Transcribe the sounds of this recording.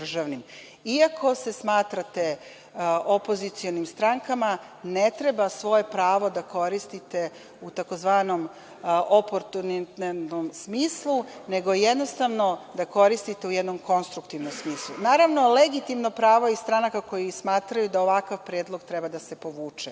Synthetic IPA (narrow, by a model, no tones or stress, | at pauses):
d̪ɾ̩ʒaʋnim | iakʰo̞se̞smaːt̪ɾat̪e̞ | opo̞zit̪sio̞nimst̪ɾaŋkama | ne̞t̪ɾe̞basʋo̞je̞pɾaːʋo̞d̪ako̞ɾist̪it̪e̞ | ut̪ako̞zʋaːno̞m | ʔopoɾt̪unit̪t̪nomsmiːslˠune̞ɡo̞jed̪no̞st̪aʋno̞d̪ako̞ɾist̪it̪eujɛd̪no̞mko̞nst̪ɾukt̪iʋnomsmiːslˠunaːɾaʋno̞leɡit̪imnopɾaːʋoist̪ɾanakako̞jismaːt̪ɾajud̪aoʋakaʋpɾeːd̪lˠo̞ɡt̪ɾebad̪ase̞po̞ʋuːt͡ʃɛ